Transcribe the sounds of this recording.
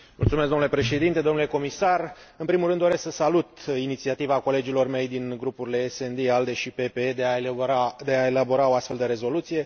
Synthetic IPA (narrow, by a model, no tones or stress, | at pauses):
mult̪sumesɡ̪d̪omnule̞pɾe̞ʃe̞d̪int̪e̞d̪o̞nule̞ko̞misarɨnpɾimulɾɨnd̪oɾe̞sksəsalut̪init̪siat̪ivako̞le̞d͡ʒilo̞rme̞jd̪inɡɾupuɾile̞ːsend̪eald̪e̞ʃipe̞peead̪e̞ae̞labo̞ɾao̞ast̪fe̞ld̪əɾe̞zo̞lut̪sije̞